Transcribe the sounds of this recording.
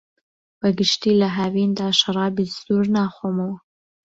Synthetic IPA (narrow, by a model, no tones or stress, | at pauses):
bəɡɪʃt̪iːlaɦavind̪aːʃɐɾˤɑːbizd̪uɾnaːxomɐwɐ